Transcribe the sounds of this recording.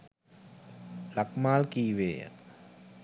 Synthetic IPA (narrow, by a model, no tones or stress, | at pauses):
lakmaːlkiːʋeːjə̰